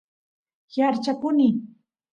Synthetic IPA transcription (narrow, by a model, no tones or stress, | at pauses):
jaɾt͡ʃapʊnɪ